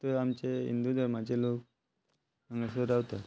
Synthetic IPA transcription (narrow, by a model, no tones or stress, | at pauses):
t̪əamt͡ɕeḭnd̪ud̪ʱəɾmat͡ɕelok | əŋɡəsəɾawt̪a